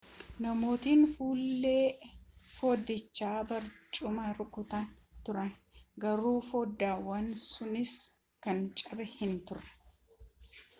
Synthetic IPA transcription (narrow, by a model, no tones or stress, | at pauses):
nɐmo̞ːt̪iːnfuːlːeːfoːd̪ɪt͡ʃːaːbɐɾt͡ʃʼʊmɐɾʊkʼʊt̪ɐn | t̪ʊɾɐnɡɐɾuːfoːd̪ːaːwɐnsʊnɪs | kɐnt͡ʃʼɐɾɛhɪnt̪ʊɾɐ̥